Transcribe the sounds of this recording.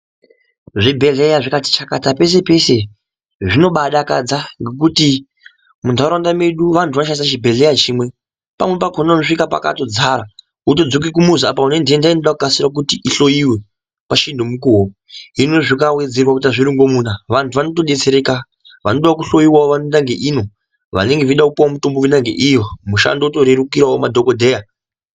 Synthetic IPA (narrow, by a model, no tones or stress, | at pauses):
ʐibʱe̞ɮejaʐikati̥t͡ʃakatape̞s̬e̞pe̞se̞ | ʐino̞ɓaɗakad͡zaŋɡe̞k̬uti | mundʱaɾandame̞ɗuʋantʰuʋanʃanis̬at͡ʃibʱe̞ɮe̞jat͡ʃiːmwe̞ | pa̰mwepakonaanoʂikapa̰ka̰to̞d͡zaɾa | uto̞d͡zok̬ikumuzuapaune̞ndndainoɗakukasirak̬utiʔiɬo̞jiwe̞ | paʃinomukuɦo | ɦinoʐikawed͡zerwakutaʐiɾiŋɡo̞mun̤aʋantʰuʋano̞to̞ɗe̞t͡se̞ɾeka | ʋanoɗoʋakuɬojiwaoʋanoendaŋɡeʔiːno̞ | ʋa̰ne̞ŋɡeʋiɗakupuwamuto̞mbowinaŋɡḛʔijomuʃa̰ndouto̞ɾeɾukiɾaomadʱokodʱeːja